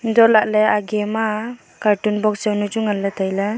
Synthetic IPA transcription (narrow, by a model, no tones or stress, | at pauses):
ndɔlaʔ̚leaɡema | kaɾtunbɔk̚sawnud͡ʒuŋalːatʰajla